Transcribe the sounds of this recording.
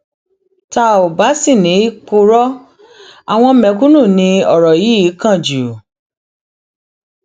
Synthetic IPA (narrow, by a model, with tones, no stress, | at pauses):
ta˧o˨ba˨˦si˦˨nĩ˨˦i˦k͡po˧ɾɔ˦ | a˨w̃ɔ̃˧mɛ̃˧kũ˦nũ˦˨nĩ˧ɔ˨ɾɔ˨ji˨˦i˨˦kã˦˨d͡ʒu˨